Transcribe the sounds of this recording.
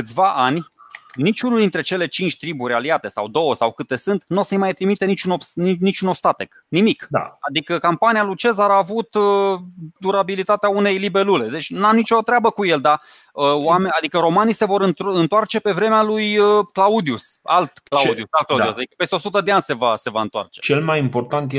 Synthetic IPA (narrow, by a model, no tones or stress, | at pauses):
kɨt̪sʲvaʔanʲnit͡ʃʲunuld̪int̪ɾe̞t͡ʃe̞le̞t͡ʃint͡ʃʲt̪ɾiburʲɾʲealiat̪e̞sa̰wd̪o̞wəsawkɨt̪e̞sɨnt̪nosejmajt̪ɾimit̪enit͡ʃunobnnit͡ʃuno̞bst̪at̪ek | nimikd̪a̰ad̪ikəkampanijalut͡ʃe̞zaɾːvut̪əd̪uɾabilit̪at̪eaune̞jlibe̞lule̞d̪e̞t͡ʃʲnamnit͡ʃo̞t̪ɾeabəkuje̞ld̪a | əwamead̪ikəɾo̞manijse̞vo̞ɾɨnt̪ɨnt̪oart͡ʃe̞pe̞vɾe̞mealujəklaud̪iusalt̪klaud̪iud̪iusad̪ikə̥pe̞st̪eosut̪əd̪eanʲse̞vase̞vaɨnt̪oa̰rt͡ʃet͡ʃelmajimpo̞rt̪ant̪je